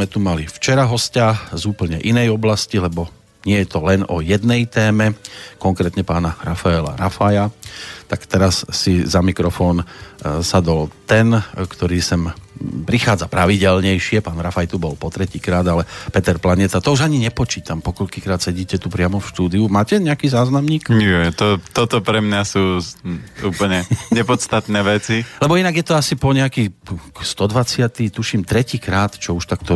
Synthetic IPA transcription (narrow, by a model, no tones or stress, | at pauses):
mɛt̪umalift͡ʃɛɾaɦɔscazuːpl̩ɲɛʔinɛjɔblascilɛbɔ | ɲɪɛjɛt̪ɔlɛnɔjɛd̪nɛjt̪ɛːmɛkɔŋkɾɛːt̪ɲɛpaːnaɾafaɛla̰ɾafajat̪akt̪ɛɾasːizamikɾɔfɔːnsad̪ɔlt̪ɛnkt̪ɔɾiːsɛmpɾixaːd͡zapɾaʋiɟɛlɲɛjʃɪɛpaːnɾafajt̪ubɔlpɔt̪ɾɛciːkɾaːd̪alɛpɛt̪ɛɾplaɲɪɛt̪at̪ɔuʒaɲiɲɛpɔt͡ʃiːt̪ampɔkɔʎkikɾaːt̪sɛɟiːcɛt̪upɾɪamɔfʃt̪uːd̪iumaːcɛɲɛakiːzaːznamɲiːkjɛt̪ɔt̪ɔt̪ɔpɾɛmɲasuː | uːpl̩ɲɛɲɛpɔt̪st̪at̪nɛːʋɛt͡silɛbɔinaɡjɛt̪ɔasipɔɲɛakikst̪ɔd̪ʋat͡sɪat̪it̪uʃiːmt̪ɾɛciːkɾaːt̪t͡ʃɔuʃt̪akt̪ɔ